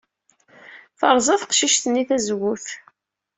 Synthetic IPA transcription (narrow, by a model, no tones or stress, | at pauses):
θəɾˤzˤɑθqʃiʃθənːiθæzɣuθ